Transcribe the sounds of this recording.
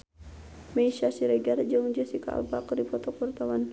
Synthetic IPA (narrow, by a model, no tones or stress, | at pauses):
mɛiʃasiɾɛɡard͡ʒəŋd͡ʒəsika̰a̰bakdipɔt̪ɔpurt̪awan